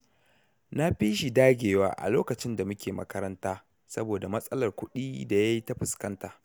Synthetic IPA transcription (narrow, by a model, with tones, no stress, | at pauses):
na˦ɸi˦ʃi˨daː˦ɡʲeː˨wa̰ː˦ʔa̰˨loː˦kɐ˨t͡ʃɪ˦nda˨mʊ˦kʲeː˨mɐ̰˦kɐ˦ɾɐ˦ntaː˦ | sɐ˦boː˨da˨mɐ˦sʼɐ˦lɐ˨rkʷʊ˦ɗiː˦da˨ja˦ji˦ta˦ɸɪ˨skɐ˦ntaː˨